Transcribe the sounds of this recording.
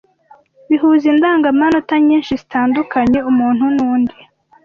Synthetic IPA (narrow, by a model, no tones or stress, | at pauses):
βiɦuːzindaːŋɡamanotaɲiːnʃizitaːndukaɲe̞umuːn̥hunuːndi